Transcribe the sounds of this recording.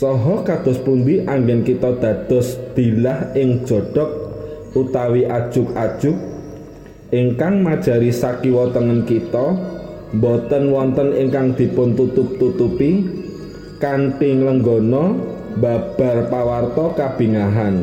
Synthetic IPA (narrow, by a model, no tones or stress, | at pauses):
sɔɦɔkad̪̥ɔ̤spund̪iʔaŋɡɛnkit̪ɔd̪̥ä̤d̪̥ɔ̤sd̪̥i̤lahɪŋd̥ʒ̥ɔ̤ɖ̥ɔ̤k̚ | ut̪awiʔad̥ʒ̥ʊkad̥ʒ̥ʊk̚ | ʔiŋkaŋmad̥ʒ̥ä̤ɾisakiwɔt̪əŋənkit̪ɔ | mbɔt̪ənwɔnt̪ənɪŋkaŋd̪̥i̤pʊnt̪ut̪ʊp̚t̪ut̪upi | kanʈiŋləŋɡɔnɔmbab̥a̤rpawart̪ɔkab̥i̤ŋaɦan